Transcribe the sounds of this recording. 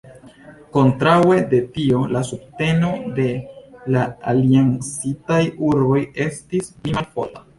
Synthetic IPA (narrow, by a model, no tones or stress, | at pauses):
ko̞ntɾawe̞de̞tio̞lasub̚te̞no̞de̞laaliansitajuɾbo̞je̞stisplimalpo̞̰la